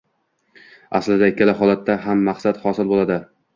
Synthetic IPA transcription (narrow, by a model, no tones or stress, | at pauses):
a̰slɪd̪aɪkʲːalaɦɒlˠat̪ːaɦamːaχsat̪hɒsɪlbolad̪ɪ